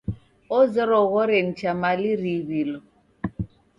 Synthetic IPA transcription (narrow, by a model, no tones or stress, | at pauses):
ɔzɛɾɔɣɔɾen̩t͡ʃʰamaliriβilɔ